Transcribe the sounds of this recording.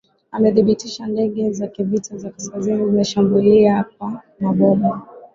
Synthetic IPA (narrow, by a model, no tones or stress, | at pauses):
amɛθiɓitiʃandɛɠɛzakivitʰazakaskazinizimɛʃambuliaap̚a | naɓɔma